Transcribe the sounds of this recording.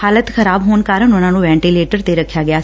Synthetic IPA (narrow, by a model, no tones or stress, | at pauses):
haːlət̪xəɾaːbɦoːnkaːɾənʊnãːnũːʋɛ̃ːɳʈileːʈəɾt̪eɾɐkʰːjaːɡɪjaː